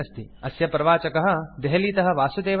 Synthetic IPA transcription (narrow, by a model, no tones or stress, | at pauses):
ɐst̪iɐsjɐpɐɾɐʋaːt͡ʃɐkɐɦɐ̆d̪eɦɐliːt̪ɐɦɐ̆ʋaːsud̪eːʋ